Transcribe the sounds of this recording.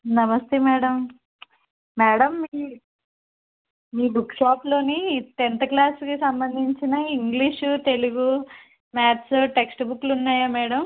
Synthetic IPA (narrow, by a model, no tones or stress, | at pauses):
nɐmɐst̪eːmɛːɽɐm | mɛːɽɐmːiː | miːbukʂaːplo̞ːnit̪ent̪ɐklaːskisɐmbɐnd̪ʱiɲt͡ʃinɐiŋɡliʂut̪e̞luɡu | maːt̪suʈeksʈbukːlunːaːjaːmɛːɽɐm